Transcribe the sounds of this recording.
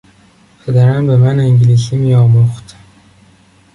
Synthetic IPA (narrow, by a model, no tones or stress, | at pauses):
pʰed̪æɾænbemæneŋɟilis̬imijɒːboχt̪